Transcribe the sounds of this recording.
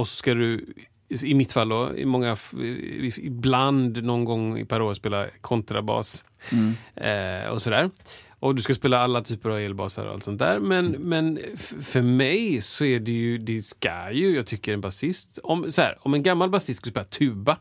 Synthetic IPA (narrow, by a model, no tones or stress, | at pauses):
ɔsɔ̥skad̪ɵ | ɪmɪt̪ːfalːd̪ɔɪ̰mɔŋːaf | ɪbland̪nɔnɡɔŋːɪ̰pʰaɾoːɾspeːlakʰɔnt̪ɾabɑ̰ːs | ɔ̰sɔd̪æːɾ | ɔd̪ɵskaspeːlaalːat̪ʰyːpəɾaveːlbɑ̰ːsa̰ɾɔ̰a̰lt̪sɔnt̪æ̰ːɾmɛnmɛnfœɾmɛjsɔɛɖɛjɵd̪ɛska̰jɵjɑːɡ̚t̪ʰʏkːəɾɛnbasɪst̪ɔmsɔhæ̰ːɾɔmɛnɡamːalbasɪst̪kaɵspeːlat̪ʰʉ̟ːba